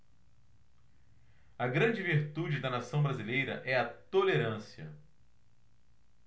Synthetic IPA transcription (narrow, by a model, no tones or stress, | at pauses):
ɐɡɾɐ̃d͡ʒɪviɾt̪ud͡ʒɪd̪ɐnasɐ̃w̃bɾazilejɾɐ̰ʔɛɐt̪oleɾɐ̃siɐ̰